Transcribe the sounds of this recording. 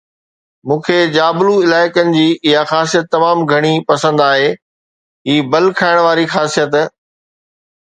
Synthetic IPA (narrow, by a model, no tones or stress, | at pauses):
mũːkʰed͡ʑaːbluɪlaːɪkənɪ̆d͡ʑiːɪɦaxaːs̬ijət̪ːɐmaːmɡʱɐɽ̃ipɐsə̃nd̪aːɦeː | ɦiːbɐlkʰaːɪɽ̃ʋaːɾixaːsijət̪